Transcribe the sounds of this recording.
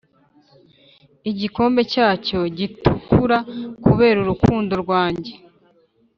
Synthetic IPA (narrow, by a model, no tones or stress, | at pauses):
iɟiko̞ːmbe̞caːco̞ɟitukuɾakuβe̞ːɾuɾukuːndo̞ɾɡwaːɲɟe̞